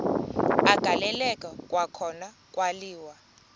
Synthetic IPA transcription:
aɡ̥ʱalɛlɛkʼakʼwakʰɔna | kʼwaliːwa

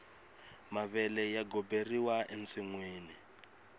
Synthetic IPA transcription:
maβɛlɛjaɡɔberiwaʔent͡siŋweːni

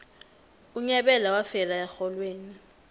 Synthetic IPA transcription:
uɲɛɓɛlawafɛlajaxɔlweːni

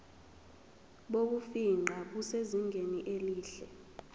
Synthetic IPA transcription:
ɓok̬ufiŋ͡ǃʱak̬useziŋɡʱeniʔeliːɬɛ̰

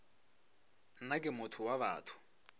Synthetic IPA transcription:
nakʼɪmʊtʰʊwaβa̰ːtʰʊ̥

